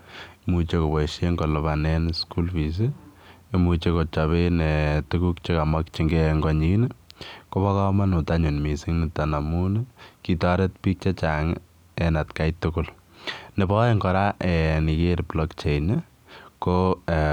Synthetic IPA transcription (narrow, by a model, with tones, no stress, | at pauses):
mut͡ʃe˦ko˨bɔ˨iʃe˦ŋɡo˨lʊ˨banɛnskulpi˨s̬i | mut͡ʃeko˨t͡ʃɔβe˦netuku˦k̚t͡ʃe˦ka˨makt͡ʃi˦ŋɡeŋɡɔ˨ɲinkoba˦kɔ˦ma˦nu˨taɲu˨nmi˨si˦ŋni˨tana˨mu˦nki˨tɔ˦ɾe˦tpi˦k̚t͡ʃe˦t͡ʃaŋ | ɛna˨tkajtːukʊl | ne˨bɔeŋɡɔ˨ɾaʔe˨ni˨keɾplɔkt͡ʃe˨jn | ko